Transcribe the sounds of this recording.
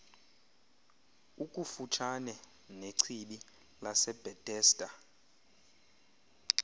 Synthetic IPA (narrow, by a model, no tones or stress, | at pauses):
ukʼufut͡ʃʰanɛ | neǀʰiɓi | lasɛb̥ʱɛd̥ʱʼɛːstʼa